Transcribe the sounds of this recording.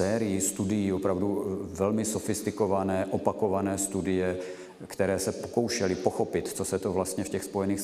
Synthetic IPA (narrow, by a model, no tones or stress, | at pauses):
ɛːɾɪjist̪udɪjiːopɾavduvɛlmɪsofɪst̪ɪkovanɛːʔopako̞vanɛːst̪udɪjɛ | kt̪ɛɾɛːsɛpoko̞wʃɛlɪpoxopɪt̪t͡sosɛt̪ovlast̪ɲɛfcɛxspo̞jɛniːx